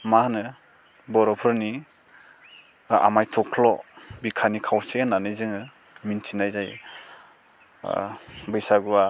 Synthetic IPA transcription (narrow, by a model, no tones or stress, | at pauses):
mahnɯ | bɔɾɔpʰɯɾni | a̰majtʰɔkʰlɔbikʰanikʰawsenːanɯjzɯŋɯ | mint͡ʃinajzaj | bɯjsaɡuwa